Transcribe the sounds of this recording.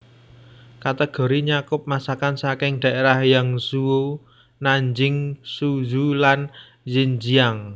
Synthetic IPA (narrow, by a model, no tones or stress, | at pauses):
kat̪əɡ̥ɔ̤ɾiɲakʊp̚masakansakɪŋd̪̥a̤ʔeɾahjaŋsuwo | naɲd͡ʒɪŋsuzulan | ziɲd͡ʒiaŋ